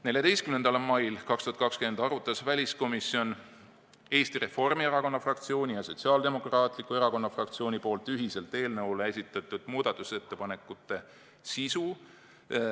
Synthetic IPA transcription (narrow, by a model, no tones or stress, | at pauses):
ne̞lʲjɑd̪e̞jst̪kymnend̪̥ɑlmɑjlkɑkst̪uhɑt̪̚kɑkskymend̪ɑɾut̪ːˑɑsvælʲisko̞misio̞n | e̞ːst̪iɾe̞fo̞rmieɾɑko̞nːɑfrɑkt̪sio̞ːnʲijɑso̞t̪siɑːld̪e̞mo̞krɑːt̪ˑlikːˑue̞ɾɑko̞nːɑfrɑkt̪sio̞ːnʲipo̞ːlt̪ːˑyɦise̞lt̪e̞ːlnɤwlee̞sit̪ːˑɑt̪ːˑud̪̥muːd̪̥ɑt̪ːˑuse̞t̪ːe̞pɑne̞kːˑut̪ːˑe̞ | sisu